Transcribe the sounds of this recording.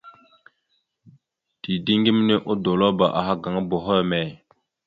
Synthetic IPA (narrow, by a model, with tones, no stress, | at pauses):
d̥i˨di˦ŋɡi˦m˦ne˦ʔo˦do˨lo˦ba˨ʔa̰˨ɦa˦ɡa˨ŋa˦bo˨ɦo˦jmɛ˨